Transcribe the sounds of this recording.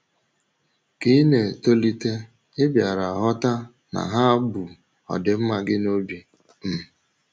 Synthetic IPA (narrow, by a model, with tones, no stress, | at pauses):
ki˦ne˨to˦li˦te˦ | ɪ˦bja˨ɾa˨a˨ɦɔ˦ta˦ | na̰˨ɦa˦bu˨ | ɔ̰˨dɪ˨m̩˦ma˨ɡɪ˦no˦bi˨ | m̩˨